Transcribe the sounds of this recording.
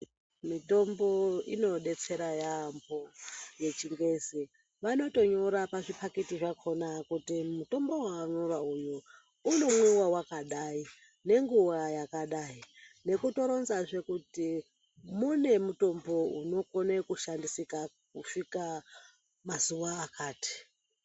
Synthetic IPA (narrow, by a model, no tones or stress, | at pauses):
mito̞mbo̞ḭno̞ɗe̞t͡se̞ɾajamboje̞t͡ʃiŋɡe̞zi | ʋano̞to̞ɲoɾapaʐipaketiʐakʰo̞nakutimuto̞mbo̞waɲorauju | uno̞muwawakaɗai | ne̞ŋɡuʋajakaɗaine̞kuto̞ɾo̞nzaʐe̞kuti | mune̞muto̞mbo̞uno̞kone̞kuʃandisikakufika | mazuʋaːkaːti̥